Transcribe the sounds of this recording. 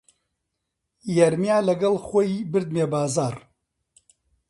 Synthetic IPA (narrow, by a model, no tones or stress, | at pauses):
jɐɾmjaːlɐɡɐlˠxoːjibɨɾd̪̚meːbaːzaːr